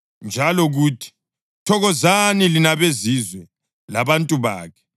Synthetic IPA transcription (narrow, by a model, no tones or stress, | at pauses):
nd͡ʒʱalɔɣuːtʰi̥ | tʰɔɣɔzanilinaβezizwɛ | laβantʼuβa̰ːkʰɛ̥